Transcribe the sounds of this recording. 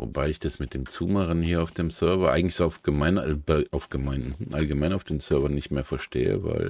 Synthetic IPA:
vo̰baɪɪçd̥asmɪt̚d̥eːmt͡suːməʁənhiːɐaʊfd̥eːmzœɐvɐʔa̰ɪɡŋ̩tlɪçz̥oaʊfɡ̥əmaɪnbʔaʊfɡ̥əmaɪnm̩hm̩ʔalɡəmaɪnaʊfd̥eːmsœɐvɐnɪçtmeːɐfɛɐʃtʰḛːə̰va̰ɪl

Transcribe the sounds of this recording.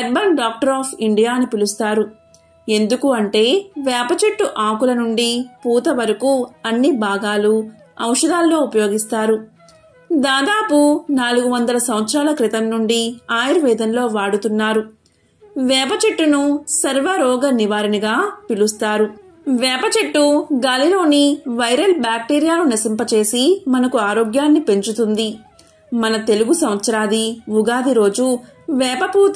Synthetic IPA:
ɛɾ̚bɐnɖaːk̚ʈɐɾaːpʰiɳɖijaːnupilust̪aːɾu | e̞nd̪ukuɐɳʈe̞ːʋɛːpɐt͡ʃeʈːuʔaːkulɐnuɳɖipuːt̪ɐʋɐɾɐkuɐnːibʱaːɡaːlu | ɐ̰wʂɐd̪aːlːo̞ːupɐjo̞ːɡist̪aːɾu | d̪aːd̪aːpunaːluɡuʋɐnd̪ɐlɐsɐʋʋɐt̪sɾaːlɐkɾit̪ɐmnuɳɖiaːjɐɾʋɛːd̪ɐnlo̞ːʋaːɽut̪unːaːɾu | ʋɛːpɐt͡ʃeʈːunusɐɾʋɐɾɔːɡɐniʋaːɾɐnɐɡaːpiɭust̪aːɾu | ʋɛːpɐt͡ʃeʈːuɡaːlilo̞ːniʋɐjɾɐlbaːk̚ʈeːɾijaːlunɐsimpɐt͡ʃe̞ːsimɐnɐkuaːɾoːɡjaːnːipe̞ɲt͡ʃut̪und̪i | mɐnɐt̪e̞luɡusɐmɐt̪sɐɾaːd̪iʋuɡaːd̪iɾo̞ːd͡ʒu | ʋɛːpɐpuː

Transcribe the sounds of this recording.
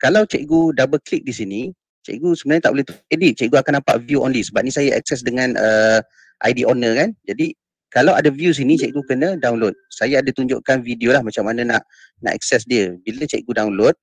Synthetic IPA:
kalawt͡ʃɛk̚ɡudabəklik̚disini | t͡ʃɛ̰ʔɡusəbənaɲat̪aʔbolɛht̪uedit̪̚t͡ʃɛʔɡuakanːapaʔvjuʔo̰nlisəbap̚nĩsajaʔɛ̰k̚sɛs̬dəŋãnə | ʔa̰jdiʔonəkand͡ʒadi | kalawadavjus̬init͡ʃɛʔ̚ɡukənə̃dawnlot̪̚sajaadat̪uɲd͡ʒo̰ʔkanvidiolahmat͡ʃamːanãnaʔ | na̰ʔɛ̰k̚sɛsdiəbilət͡ʃɛ̰ʔɡudawnlot̪̚

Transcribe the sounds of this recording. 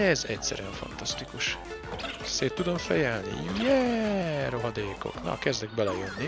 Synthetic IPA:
ɛzɛcsɛ̰ɾyɛɱfɒ̰nt̪ɒst̪ikuʃ | seːt̪ːud̪o̞ɱfɛjɛlnḭjɛːɾo̞ɦɒd̪eːko̞̰knɒ̰kɛzd̪ɛɡ̚bɛlɛjønːi

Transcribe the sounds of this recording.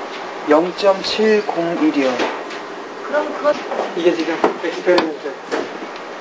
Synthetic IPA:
jʌŋt͡ɕ͈ʌmt͡ɕʰiɭkoŋiɾjʌŋ | kɾ | iɡet͡ɕiɡɯmekstʰeɾinisʌ

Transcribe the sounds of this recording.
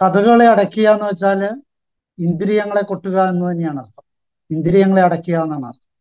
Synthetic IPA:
t̪ɐðuɣɐɭeɐɽɐkʲːijaːnːɨʋɐt͡ɕːaːl | ind̪iɾijɐŋːɐɭe̞ko̞ʈːuɣɐenːut̪ɐnːejaːɳɐrt̪ʰːɐm | ind̪iɾijɐŋːɐɭe̞ɐɽɐkʲːijaːnːaːɳɐ̰rt̪ʰːɐm

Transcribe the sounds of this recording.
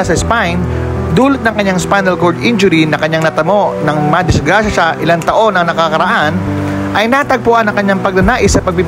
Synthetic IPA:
asɐspajn | d̪uːlɪt̪̚nɐŋkɐɲːaŋspajnɛlkoɹd̪ʔɪnd͡ʒʊɾinɐkɐɲːaŋnɐt̪ɐmo̞ʔnɐŋmɐd̪ɪsɡɾaːʃɐʃɐʔɪlant̪ɐʔo̞nɐŋnɐkakɐɾɐʔan | ʔɐjnat̪ɐɡ̚pʊʔanɐŋkɐɲːaŋpɐɡ̚nɐnaːʔɪsːɐpɐɡ̚pib

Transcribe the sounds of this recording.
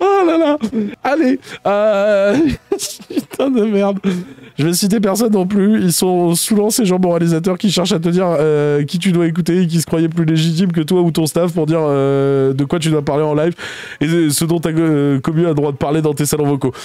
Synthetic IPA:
alalaaleø | t̪ʰɛ̃d̪əmɛʁd̪ʒ̥əvɛsit̪̬ep̬ɛʁs̬ɔnːɔ̃plyilsɔ̃suvɑ̃seʒɑ̃mɔʁalizat̪̬œʁkʲiʃɛʁʃat̪̬əd̪iʁøkʲit̪̬yd̪waek̬ut̪eːk̬ʲisə̥kχwajɛp̬lyleʒit̪̬imk̬ət̪waut̪ɔ̃st̪afpuʁd̪iʁød̪əkwat̪̬yd̪wapaʁleɑ̃lajv | esəd̪ɔ̃t̪akɔmyad̪ʁwad̪əpaʁled̪ɑ̃t̪esalɔ̃vɔko

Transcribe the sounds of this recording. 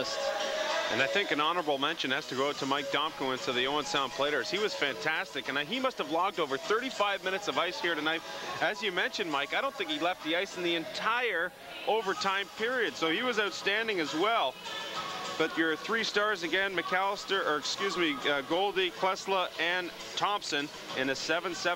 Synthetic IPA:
stʔɨ̰̃naɪθɪ̃ŋkɨ̃nɑnə˞əbl̩ˠmɛ̃nʃɨ̃nɨz̥tʰɨɡoʊtʰəmaɪk̚d̥ɑ̃m̚kuɨ̃nsɨðiõʊ̃nsãʊ̃npʰl̥eɪɾə˞z̥hiwʌz̥fæ̃ntʰæstɨkɨ̃nɨimʌst̚həvlɔɡ̚doʊvə˞θɜ˞ɾifaɪvmɪ̃ñɨtsʌvaɪshiɹɾɨnaɪt̚ɨzjɨmɛ̃nʃɨ̃nmaɪkaɪɾõʊ̃nθɪ̃ŋkilɛft̪̚ðiaɪsn̩ðiɨ̃ntʰaɪə˞ | ʔoʊvə˞tʰãɪ̃mpʰɪɹiɨd̥soʊiwʌzaʊtstæ̃ndɪ̃ŋɨzwɛlˠ | b̥ʌt͡ʃə˞θɹistɑɹzɨɡɛ̃nmɨkʰælˠəstə˞ʔə˞ɨkskjʉzmiʌɡoʊlˠdikʰl̥ɛsləʔɨ̃n | tʰɑ̃mpsɨ̃n | ɨ̃nɨsɛvɨ̃nsɛ

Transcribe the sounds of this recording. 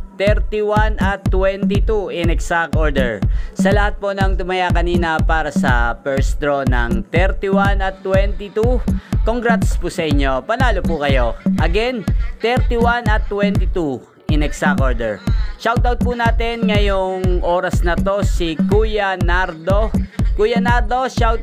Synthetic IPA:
t̪ɛɾt̪iwanɐt̪ːwɛnt̪ɪt̪uʔɪnɛksakʔoɹd̪ɛɹsɐlɐhat̪̚ponɐŋt̪ʊmɐjakɐniːnɐpaːɾɐsɐpɛɹsd̪ɾonɐ̰ŋt̪ɛɾt̪ɪwanɐt̪ːwɛnt̪ɪt̪ukoŋɡɾat̪spuːsɐʔɪɲːo̞pɐlaːlopukɐjo̞ʔɐɡɛnt̪ɛɾt̪ɪwanɐt̪ːwɛnt̪ɪt̪u | ʔɪnɛksakʔoɹd̪ɛɹʃawt̪awt̪̚punaːt̪ɛnŋɐjoŋʔo̞ːɾɐsnɐt̪o̞sikujɐnaɾd̪o̞kujɐnaɾd̪o̞ʃawt̪̚

